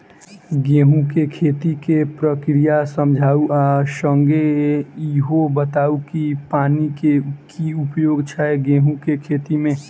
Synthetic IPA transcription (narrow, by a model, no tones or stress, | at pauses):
ɡẽːɦũkekʰeːt̪ikepɾəkɾijasəmd͡ʒʱaːuasəŋɡeiɦobət̪aːukipaːnikekiʊpjoːɡt͡ʃʰaeɡẽːɦũkekʰeːt̪imẽ